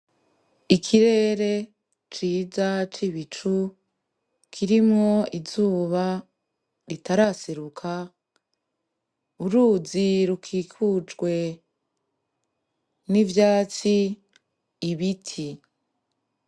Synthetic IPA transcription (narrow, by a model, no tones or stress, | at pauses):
ikʰiɾe̞ɾe̞ | t͡ʃiːzat͡ʃiβit͡ʃu | kʰiɾimŋo̞izuːβa | ɾitaɾaseɾukʰa | uɾuːziɾukʰikʰut͡ʃɡwe̞ | nivjaːt͡siː | βitʰi